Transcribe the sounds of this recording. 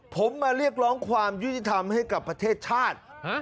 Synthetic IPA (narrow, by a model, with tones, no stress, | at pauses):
pʰo˩˦mːaː˧ɾi˥˩ək̚ɾɔː˦˥ŋkʰwaː˧mju˦˥t̪ʰi˨˩t̪ʰa˧mha˥˩jka˨˩pːɾa˧t̪ʰeː˥˩t̪̚t͡ɕʰaː˥˩t̪̚ha˦˥